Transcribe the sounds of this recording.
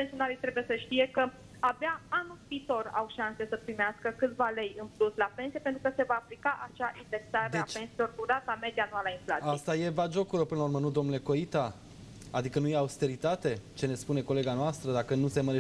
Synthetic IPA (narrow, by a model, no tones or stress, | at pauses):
pensʲionaɾit̪ɾe̞buje̞səʃt̪ije̞kə | abaanulpiːt̪o̞ra̰wʃanse̞səpɾimeaskəkɨt̪vale̞jɨnpluslape̞nsije̞pent̪ɾukəse̞vaːplikaʔat͡ʃaʔind̪eksaɾeeat͡ʃpe̞nsilo̞rd̪uɾat̪ame̞d̪ianualainflat̪ajst̪aje̞vad͡ʒo̞kuɾopɨnlaurmənud̪o̞mnule̞ko̞it̪a | ad̪ikənujeaust̪e̞ɾit̪at̪e̞t͡ʃe̞ne̞spune̞ko̞le̞ɡanoast̪ɾəd̪akənuse̞məɾe